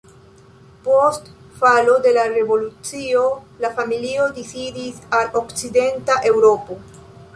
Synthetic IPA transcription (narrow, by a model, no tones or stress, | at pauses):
po̞st | falo̞de̞laɾe̞vo̞lut͡sio̞ | lafamilio̞disidisalokt͡side̞ntaʔe̞wɾo̞po̞